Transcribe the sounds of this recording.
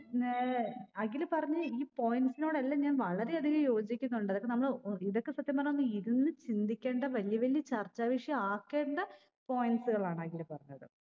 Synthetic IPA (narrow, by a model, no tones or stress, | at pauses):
ɐŋɡilɨpɐrɐɲːɐiːpo̞jinsino̞ːɽɐlːɐɲaːnʋɐɭɐɾe̞ɐd̪ʱiɣɐjo̞ːd͡ʑikʲːunːuɳɖɐðokːenɐmːɐɭiðokːe̞sɐt̪jɐmbɐrɐɲːonːɨiðinːɨt͡ɕind̪ikʲːe̞ːɳɖɐʋɐlijɐʋɐljɐt͡ɕɐrt͡ɕːaːʋiʂjɐaːkːe̞ːɳɖɐ | po̞ːjinɖsɨɣɐɭaːɳɨɐɡilɨpɐrɐɲːɐɽɨ̰